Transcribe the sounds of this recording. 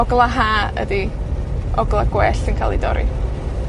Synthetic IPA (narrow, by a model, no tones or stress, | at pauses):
ɔɡlˠaɦaːə̰di | ɔɡlˠaɡwɛːɬinkʰaːlˠidɔ̰ɾḭ